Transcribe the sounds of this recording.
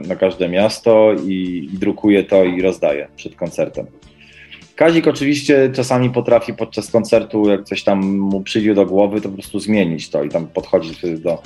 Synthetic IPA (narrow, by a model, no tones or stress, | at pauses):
nakaʐd̪ɛmʲjast̪ɔiːd̪ɾukujɛt̪ɔiɾɔzd̪ajɛ̰pʂɛt̪kɔnt̪sɛɾt̪ɛm | kaʑikɔt͡ʂɘvʲiɕt͡ɕɛt͡ʂasamʲipɔt̪ɾafʲipɔt̪̚t͡ʂaskɔnt̪sɛɾt̪ujak̚t̪sɔɕt̪amːupʂɘjd͡ʑɛd̪ɔɡwɔvɘt̪ɔp̬ɔpɾɔ̥st̪uzmʲjeɲit͡ɕt̪ɔit̪ampɔt̪xɔd͡ʑid̪ɔ